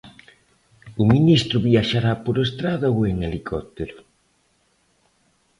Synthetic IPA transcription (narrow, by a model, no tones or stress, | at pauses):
uminist̪ɾʊβiaʃaɾapoɾest̪ɾaðaweŋelikʰɔt̪eɾʊ